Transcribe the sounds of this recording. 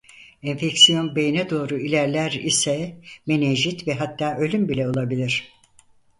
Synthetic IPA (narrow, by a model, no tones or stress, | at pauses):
ɛɱfecsijo̞nbe̞jinɛd̪o̞ːɾuilʲæɾlʲæɾisɛmeneʒit̪vɛɦat̪ːaːø̞lʲymbilʲɛolˠabilʲiɾ̝̥